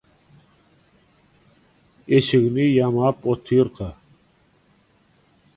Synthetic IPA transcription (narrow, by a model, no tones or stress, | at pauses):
eɕiɡnijamaːpot̪ʰiːɾqa